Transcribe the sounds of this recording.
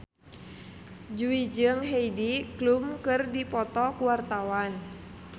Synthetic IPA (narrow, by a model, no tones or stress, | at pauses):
d͡ʒuid͡ʒɨŋɦeidiklumkɨrdipɔt̪ɔkuwart̪awan